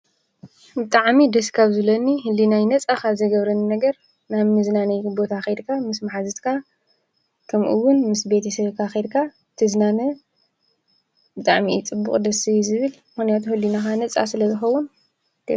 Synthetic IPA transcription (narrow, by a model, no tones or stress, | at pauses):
bɨt̪ʼaʕmid̪ɐskʰaβzɨlɐniɦɨlːinajnɐt͡sʼakʰaβzɐjɡɐβɾɐninɐɡɐɾ | naβmɨznanɐjbo̞t̪ʰaxed̪kʰamɨsmaħazɨt̪kʰa | kʰɐmʔɨwːʊnmɨsbe̞t̪ʰɐsɐβkʰaxed̪kʰa | t̪ʰɨznanɐ | bɨt̪ʼaʕmit͡sʼɨbːṵχʼd̪ɐsijzɨβɨlmɨxnijat̪ʰuhɨlːinaxanɐt͡sʼa̰sɨlɐzɨxɐwːun | t̪ʰe